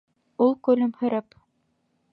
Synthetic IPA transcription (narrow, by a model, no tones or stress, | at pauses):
ulˠkɵ̆lɘmhɵ̆ɾɘp